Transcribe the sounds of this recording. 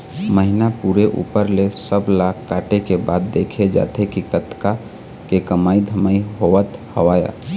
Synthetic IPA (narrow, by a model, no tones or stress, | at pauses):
məɦɪnapuːɾeʔṵːpəɾlesəblakːaːʈekebaːd̪ːeːkʰed͡ʒa̰ːt̪ekikət̪ka | kekəmaːid̪ʱəmaːiɦoʋət̪həʋaːja̰ː